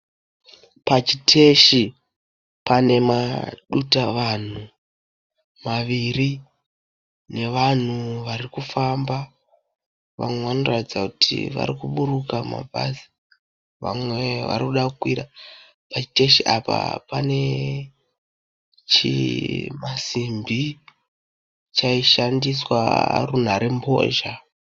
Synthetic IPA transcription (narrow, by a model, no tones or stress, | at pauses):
pat͡ʃitʰe̞ʃi | pane̞maɗutaʋan̤u | maʋiri | ne̞ʋan̤uʋarikufamba | ʋa̰mweʋanoratd͡zakutʰḭʋa̰ɾikuɓurukama̰bʱa̰zi̥ | ʋa̰mweʋa̰ɾikuɗakukwiɾa | pat͡ʃite̞ʃiʔa̰pa̰pane̞ | t͡ʃimasimbi | t͡ʃaiʃandiswa̰run̤aɾembo̰ːʒa